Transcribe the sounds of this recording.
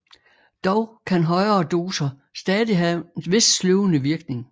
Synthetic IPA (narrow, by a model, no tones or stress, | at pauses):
d̥ɒʊkʰænɦɒ̽ɪɐːd̥o̝ːsɐ | sd̥ɛːðˠiɦæʋe̝ssloʊənəʋiɐɡ̥ne̝ŋ